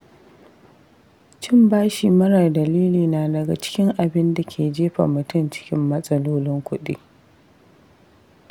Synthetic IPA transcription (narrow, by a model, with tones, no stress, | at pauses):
t͡ʃɪ˦mbaː˦ʃi˨mɐ˦ɽa˨rdɐ˨liː˦liː˨naː˨dɐ˨ɡa̰˨t͡ʃɪ̥˦kʲɪ˦ŋʔa˨bɪ˦nda˨kʲʰeː˨d͡ʒeː˦ɸa̰˨mʊ˨tʊ˦˨nt͡ʃɪ̥˦kʲɪ˦mːɐ˦sʼɐ˦loː˦lɪ˦ŋkʷʊ˦ɗḭː˦